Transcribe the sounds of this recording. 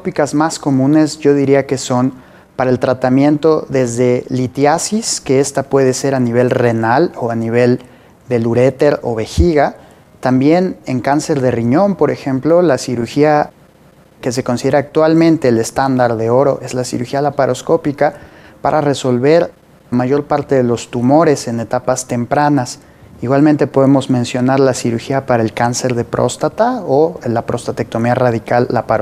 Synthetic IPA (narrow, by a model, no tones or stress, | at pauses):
opikazmasko̞mũne̞zʝo̞ðiɾiake̞so̞n | paɾaelt̪ɾat̪amjẽ̞nt̪o̞ðe̞zðe̞lit̪jasiske̞e̞st̪apwe̞ð̞e̞se̞ɾaniβ̞e̞lre̞nalo̞aniβ̞e̞l | d̪e̞luɾe̞t̪e̞ɾo̞̰βe̞xiɣa | t̪ambje̞ne̞ŋkanse̞ɾðe̞riɲo̞mpo̞ɾe̞xe̞mplo̞lasiɾuɾxia | ke̞s̬e̞ko̞nsiðeɾaːk̚t̪walmẽnt̪e̞ːle̞st̪and̪aɾðe̞o̞ɾo̞̰ʔe̞zlasḭɾuxialapaɾʔo̞sko̞pikapaɾʔare̞so̞lβe̞ɾ | amaʝo̞ɾpaɾt̪e̞ðe̞lo̞st̪umo̞ɾe̞se̞ne̞t̪apast̪e̞mpɾanas | iɣwalmẽnt̪e̞po̞ðemo̞zmẽ̞nsjo̞naɾlasiɾuxiapaɾaelkanse̞ɾðe̞pɾʔo̞̰st̪at̪aolapɾʔo̞st̪at̪ek̚t̪o̞miaraðikalːapaɾo